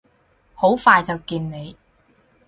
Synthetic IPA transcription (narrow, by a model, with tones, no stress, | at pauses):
ho˨˥wfaː˧jt͡sɐ˨wkiː˧nne˨˧j